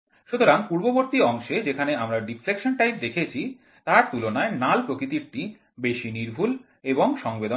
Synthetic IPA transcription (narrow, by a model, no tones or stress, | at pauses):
ʃut̪oɾaŋpuɾboboɾt̪iɔŋʃed͡ʑekʰaneamɾaɖiflekʃonʈajp̚d̪ekʰet͡ɕʰi | t̪aɾt̪ulonaenalpɾokɾit̪iɾʈi | beʃiniɾbʱul | eboŋʃɔŋbed̪o